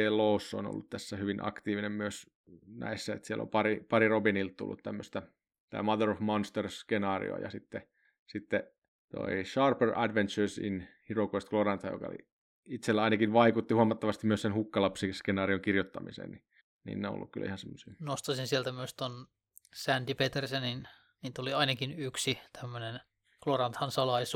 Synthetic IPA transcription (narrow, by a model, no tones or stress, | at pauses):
elousːo̰no̰lːut̪t̪æsːæhyʋinʔɑ̰kt̪iːʋinemmyøs | næ̰isːæḛt̪siælo̰mpɑripɑrirobinilt̪t̪ṵlːṵt̪t̪æmːøst̪æ | t̪ɑ̰imɑðerofmonst̪erskenɑːrḭo̰ɑjɑ̰sit̪ːe | sit̪ːe | t̪o̰iʃɑrperʔæ̰dʋent̪t͡ʃøsḭnhirokoist̪klorɑnt̪ɑjo̰kɑ̰o̰lḭ | it̪selːæɑinɑkinʋɑikut̪ːihuɑmɑt̪ːɑʋɑst̪imyøsenhukːɑlɑpsiskenɑːrioŋkirjot̪ːɑmisḛːnni | nḭːnːeõ̰o̰lːṵkkylːæihɑnsemːøsiːnost̪ɑsinsielt̪æmyøst̪on | sænt̪ipet̪ersenin | niːt̪oliɑinɑkinyksit̪ʰæmːønen | klorɑnt̪hɑnsɑlɑis